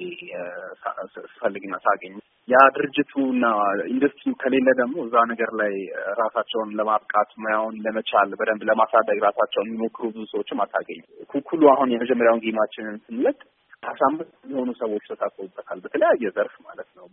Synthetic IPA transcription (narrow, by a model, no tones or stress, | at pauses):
esa̰sɨ̥fəlːɨɡɨnːasaɡəɲː | jad̪ɨɾɨd͡ʒːɪt̪ʰuɨnːaind̪əst̪ʰʼɾijuk̪ʰəle̞lːəd̪əɡmo̞ɨzːanəɡəɾlajɾasat͡ʃːɛwnləmaβkʼat̪mjawunləmət͡ʃʰalbəd̪əmd̪ləmasad̪əɡɾasat͡ʃːɛwjɛmːimo̞kʰːɨɾubɨzusəwot͡ʃːɪmasaɡəɲːkukʰulːuahunjɛməd͡ʒɛmːəɾjawŋɡimat͡ʃːɪnɨnsɨnlək̪ʼ | bʰasambɨstmɛho̞nusəwo̞t͡ʃːt̪ʰəst̪ʰakʼob̪ʼːət̪ʰalbət̪ʰələjajːɛzəɾfmalət̪nəw